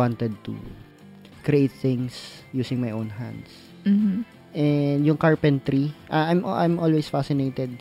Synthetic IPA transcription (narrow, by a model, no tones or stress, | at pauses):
want̪ɛd̪̚t̪ṵ | kɾiʔejt̪̚θɪ̃ŋsjuːsɪ̃ŋmajʔõwnɦã̰nd̪s̩ | ʔɛnd̪jʊŋkaɹpɛ̃nt̪ɾiʔaʔajmʔajmʔolwesfasɪnejt̪ɛd̪̚